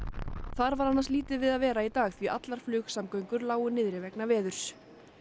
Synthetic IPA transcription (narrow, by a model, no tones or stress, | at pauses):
θaɾvaɾanːansliːt̪ɪvɪðaðvɛːɾait̪aːɣθviʔat̪laɾ̥flʏːxsamkœɥŋkʏɾlaːwʏnɪðɾɪvɛknavɛːðʏɾ̥s